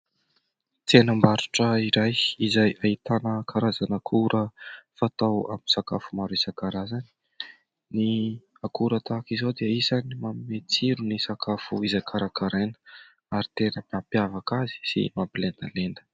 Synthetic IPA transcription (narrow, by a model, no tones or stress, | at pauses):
t̪enəmbaɾuʈ͡ʂəiɾajizajait̪anəkʰaɾazanakʰuɾəfat̪awa̰minisakafumaɾesakaɾazani̥ | ni | akuɾət̪akizod̪eəisanimamimet͡siɾunisakafuizajkʰaɾakaɾenə̥ | aɾit̪enəpapjavakazi̥sḭmapilend̪alend̪ə̥